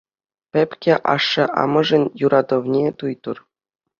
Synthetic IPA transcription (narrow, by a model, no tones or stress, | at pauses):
pʲɘ̆pʲkʲeʔɑ̰ʂːɤ̆ʔɑ̰mɤ̆ʐɘ̆nʲjuɾʔɑd̪ɤ̆ʋnʲet̪ujt̪ɤ̆r